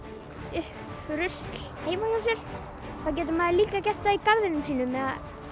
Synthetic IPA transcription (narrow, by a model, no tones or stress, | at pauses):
ʏh | fɾʏst̪lheːjmasasɛɾ̥ | θaðwc̬ɛːt̪̬ʏmaðɪliːkacɛr̥t̪aikavðɪnʏmsiːnʏmɛða